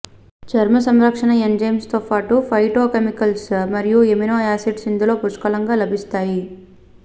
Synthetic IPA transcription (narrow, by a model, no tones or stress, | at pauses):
t͡ʃɐɾmɐs̬ɐmɾɐkʂɐɳɐend͡ʒejmst̪oːpaːʈupʰɐjʈoːkemikɐlsmɐɾijueminoːaːsiɖsind̪ilo̞ːpuɾʃkɐlɐŋɡaːlɐbʱist̪aːji